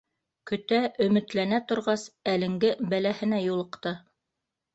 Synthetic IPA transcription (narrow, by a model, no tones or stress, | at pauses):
kɵ̆t̪æʔɵ̆mɘ̆t̪lænæt̪ŏɾʁɑsælɘ̆ŋɡɘbælæhɘ̆næjulˠɤ̆qt̪ɤ